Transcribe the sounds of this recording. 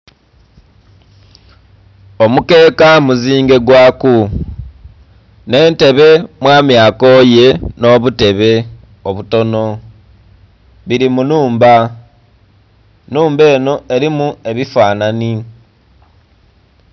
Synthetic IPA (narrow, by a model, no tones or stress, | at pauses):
o̞muke̞ːkamuziːŋɡe̞ɡwaːku | ne̞ːnte̞βe̞mwaːmjaːko̞je̞no̞ːβute̞βe̞ | oβuto̞no̞ | βiɾimunuːmba | nuːmbe̞ːno̞e̞ɾimue̞βifaːnani